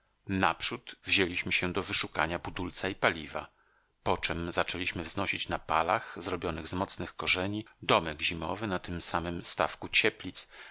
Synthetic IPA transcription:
napʂut̪vʑelʲiɕmɘɕɛ̃d̪ɔvɘʂuka̰ɲabud̪ult̪saipalʲiva̰ | pɔt͡ʂɛmzat͡ʂɛlʲiɕmɘvznɔɕit͡ɕnapalaxzɾɔbʲjɔnɘɣzmɔt̪snɘxkɔʐɛɲid̪ɔmɛɡʑimɔvɘnat̪ɘmsamɘmst̪afkut͡ɕɛplʲit̪s

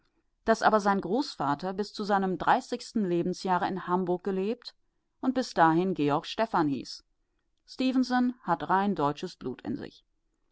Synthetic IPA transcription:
d̥asʔaːbɐzaɪnɡʁoːsfaːtʰɐbɪst͡suzaɪnəmdʁaɪsɪçstn̩leːbm̩sjaːʁəɪnhambʊɐk̚ɡ̥əleːp̚t | ʔʊnt̚b̥ɪsd̥aːhɪnɡeːɔɐkʃtɛfanhḭːs | stiːvən̩sənhatʁaɪndɔʏt͡ʃəsb̥lṵːtʰɪ̰nzɪ̰ç

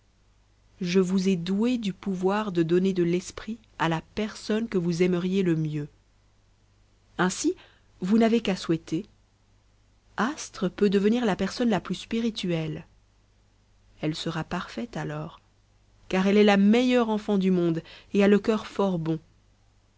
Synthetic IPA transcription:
ʒəvuzɛd̪ued̪ypuvwaʁd̪əd̪ɔned̪əlɛspχi | alapɛʁsɔnkəvuzɛməʁjeləmjø | ɛ̃si | vunavekaswɛt̪e | ast̪χəpød̪əvəniʁlapɛʁsɔnlaplyspiʁit̪yɛl | ɛlsəʁapaʁfɛt̪alɔːʁ | kaʁɛlɛlamɛjœʁɑ̃fɑ̃d̪ymɔ̃d̪ealəkʲœʁfɔʁbɔ̃

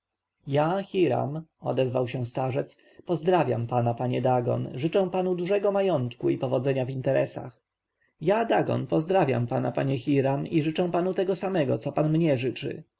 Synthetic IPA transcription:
jaxʲiɾa̰mɔ̰d̪ɛzvawɕɛ̃st̪aʐɛt̪s | pɔzd̪ɾavʲja̰mpanapaɲɛd̪aɡɔ̰nʐɘt͡ʂɛ̃w̃panud̪uʐɛɡɔmajɔnt̪kuipɔvɔd̪zɛɲavint̪ɛɾɛsa̰x | jad̪aɡɔ̰npɔzd̪ɾavʲja̰mpanapaɲɛxʲiɾamiʐɘt͡ʂɛ̃w̃panut̪ɛɡɔsamɛɡɔt̪sɔpanmɲɛʐɘt͡ʂɘ̰

